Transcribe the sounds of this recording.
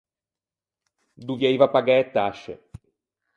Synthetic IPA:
d̪uvjaivapaɡɛɛt̪ːaʃːḛ

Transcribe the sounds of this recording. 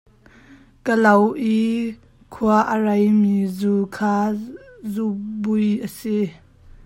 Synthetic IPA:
kəlɐwʔi | kʰuaʔərajmizukʰaːzubujʔəsi

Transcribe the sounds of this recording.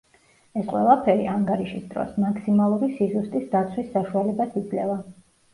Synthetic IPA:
ɛsqʼwɛ̰lˠapʰɛɾiaŋɡaɾiʃisd̪ɾɔ̰smakʰsimalˠuɾisizust̪ʼisd̪at̪sʰwisːaʃualɛbasid̪zlɛva

